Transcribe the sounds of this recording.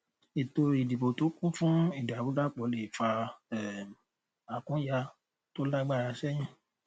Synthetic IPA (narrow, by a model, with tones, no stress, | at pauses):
i˨to˧i˨di˨bo˨to˨˦kũ˦fũ˦i˦˨da˨bu˨˦da˦˨k͡pɔ˨˦le˨fa˧ɛ˨ | a˨kũ˨˦ja˧ | to˦la˦ɡ͡ba˦˨ɾa˧sɛ˦j̃ĩ˦